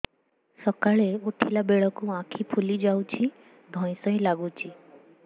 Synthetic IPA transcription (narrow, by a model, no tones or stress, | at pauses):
sɔkaɭeuʈʰilabeɭɔkuãkʰipʰulid͡ʒawt͡ʃʰi | d̪ʱɔ̃j̃sɔĩlaɡut͡ʃʰi